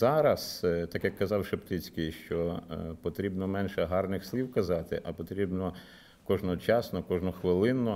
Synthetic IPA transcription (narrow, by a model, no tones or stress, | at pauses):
z̥ɑɾɐst̪ɑkjɐkːɐzɑwʃept̪ɪt͡sʲkɪjʃt͡ʃɔpɔt̪ɾʲibnɔmɛnʃɛɦɑrnɪxsʲlʲiwkɐzɑt̪ɪʔɐpɔt̪ɾʲibnɔ | kɔʒnɔt͡ʃɑsnɔkɔʒnɔxʋɪlˠɪnɔ